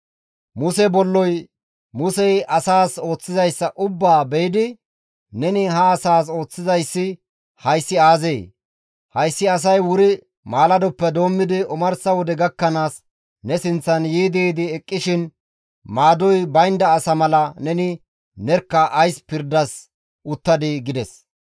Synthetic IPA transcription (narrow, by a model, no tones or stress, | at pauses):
mʊsɛbɔlːɔj | mʊsɛjʔɐsaːso̞ːt͡sːɪzɐjsːɐʔʊbːaːbɛjd̪ɪ | nɛnɪɦɐːsaːs̬o̞ːt͡sːɪzɐjsːɪ | hɐjsːɪaːzeː | hɐjsːɪɐs̬ɐjwʊɾɪ | maːlɐd̪ɔpːɛd̪o̞ːmːɪd̪ɪʔɔmɐɾsɐwɔd̪ɛɡɐkːɐnaːs | nɛsɪnt͡sːɐnjiːd̪eːd̪ɪɛkʼːɪʃɪn | maːd̪ɔjbɐjnd̪ɐːsɐmɐlɐnɛnɪ | nɛɾkːɐʔɐjspɪɾd̪ɐs | ʔʊt̪ːɐd̪ɪɡɪd̪ɛs